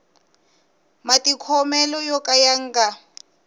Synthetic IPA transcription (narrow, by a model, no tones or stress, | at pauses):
matʼikʰɔmɛlɔjɔkʼajaŋ̩ɡa